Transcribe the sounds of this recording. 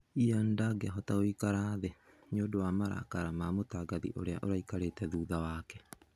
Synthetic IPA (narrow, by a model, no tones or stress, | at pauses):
iandaɡeaɦɔtaoikaɾaðe | ɲoːdowaːmaɾa̰kaɾamamotaːɡaðḭʔoɾea̰ʔoɾaikaɾeːtɛðuːðawaːkɛ